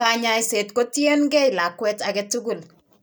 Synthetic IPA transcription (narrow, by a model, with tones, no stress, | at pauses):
aɲa˦jse˨tko˦tje˦nɡɛ˦jla˨kwɛ˦ta˨ɡɛtu˦ɡu˨l